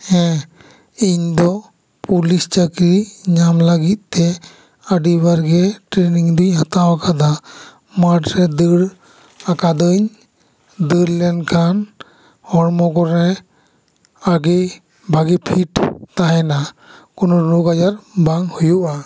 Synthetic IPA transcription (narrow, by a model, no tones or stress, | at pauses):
hɛ̃ | iɲd̪ɔ | pulist͡ʃəkɾiɲamləɡit̪̚ˀt̪ɛ | əɖibaɾɡɛʈɾeniŋd̪uɲhat̪awakʰad̪a | maʈɾɛd̪əɽ | akad̪əɲ | d̪əɽlɛnkʰan | hɔɾmɔkɔɾɛ | aɡe | bʱaɡipʰiʈt̪aɦɛna | kɔnɔnɔɡad͡ʒaɾbaŋhujuʔa